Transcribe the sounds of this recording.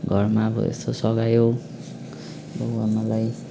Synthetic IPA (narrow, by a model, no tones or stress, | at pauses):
ɡʱʌrmaʌbʌ̰ḛst̪osʌɡajo | bʌɦwamalaj